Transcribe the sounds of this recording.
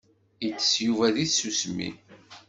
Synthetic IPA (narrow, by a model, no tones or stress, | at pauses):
it͡sːə̥sjuvæðiθsusmḭ